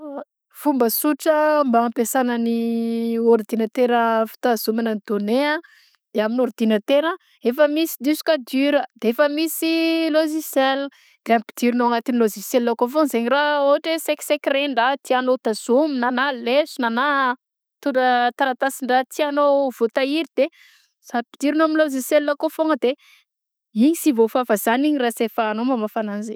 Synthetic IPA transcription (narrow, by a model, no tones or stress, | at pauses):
v̥umbəsuʈ͡ʂəmbaːmpesanəni | oɾd̪inət̪eɾəfi̥t̪azumananid̪onea | aminoɾd̪̥inət̪eɾə | efəmisi̥d̪isu̥kad̪yɾəd̪̥eefəmisiloʒisel | d̪eampi̥d̪̥iɾinoaŋat̪iniloziselːokofonzeɲiraoɦaʈ͡ʂeseksekreɳɖ͡ʐat̪ianot̪azuminanalesunana | t̪uɳɖ͡ʐət̪aɾat̪asiɳɖ͡ʐat̪ʰianowvot̪aiɾid̪̥e | sapi̥d̪̥iɾinomiloziselːokofoŋəd̪e | iɲisivofavazaniɲirasefəːnomamafananze